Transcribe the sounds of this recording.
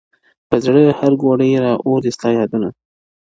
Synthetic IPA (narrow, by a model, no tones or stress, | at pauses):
pəzɽəhaɾɡoɽəjɾɑʔoɾd̪ɪst̪ɑjɑd̪una